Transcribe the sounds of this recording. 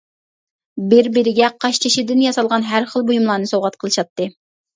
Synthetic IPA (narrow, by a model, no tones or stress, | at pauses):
bɪɾbɪɾɪɡʲɛqʰɑʃt͡ʃʰiʃid̪ɪnjɑsɑlˠʁɑnɦæɾχəlˠbojumlˠɑːnɨsoʁɑt̪qʰəlˠɨʃɑt̪ːɨ